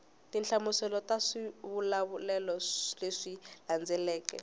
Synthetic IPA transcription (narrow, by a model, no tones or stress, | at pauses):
tint͡ɬamusɛlɔtaʂiβulaβulɛlɔleʂiland͡zʱɛlɛːkɛ̰